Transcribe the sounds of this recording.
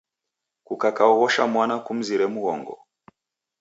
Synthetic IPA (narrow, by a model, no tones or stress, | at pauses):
kukakaɔɣɔʃamwanakum̩ziɾɛmuɣɔ̰ŋɡɔ̰